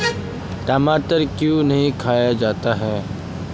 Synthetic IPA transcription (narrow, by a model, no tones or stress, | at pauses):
ʈaːmaːʈəɾkjũnɐɦĩkʰaːjad͡ʒaːt̪aɦɛː